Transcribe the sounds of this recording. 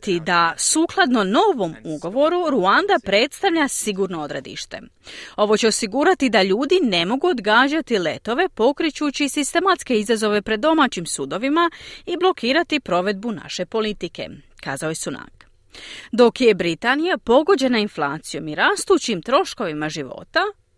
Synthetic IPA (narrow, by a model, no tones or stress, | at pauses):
t̪id̪asuːklˠad̪no̞no̞ːʋo̞muɡo̞ʋo̞ɾuɾuand̪apɾe̞t̪st̪aʋʎasiɡuːɾno̞od̪ɾe̞̰d̪ḭʃt̪e̞ | o̞ʋo̞t͡ɕe̞osiɡuːɾat̪id̪aʎuːd̪ine̞mo̞ɡuod̪ɡaːd͡ʑat̪ile̞̰t̪o̞ʋe̞po̞kɾit͡ɕuːt͡ɕisist̪e̞mat̪ske̞izazo̞ʋe̞pɾe̞d̪d̪o̞maːt͡ɕimsuːd̪o̞ʋimaiblˠo̞kiːɾat̪ipɾo̞ʋe̞d̪̚buna̰ʃe̞po̞lit̪ike̞̰ | kaːzaojesuna̰k | d̪o̞kjebɾit̪aːnijapo̞ɡo̞d͡ʑe̞nainflˠaːt̪sijo̞miɾaːst̪uːt͡ɕimt̪ɾo̞ʃko̞ʋimaʒiʋo̞̰t̪a